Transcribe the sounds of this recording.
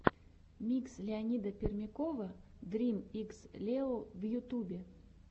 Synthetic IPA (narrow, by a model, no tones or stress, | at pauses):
mʲikslʲeanʲid̪əpʲermʲekovəd̪rʲimikslʲeovjut̪ubʲe